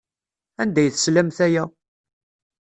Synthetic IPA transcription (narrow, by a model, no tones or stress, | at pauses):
ænd̪æjθəslæmθæjæ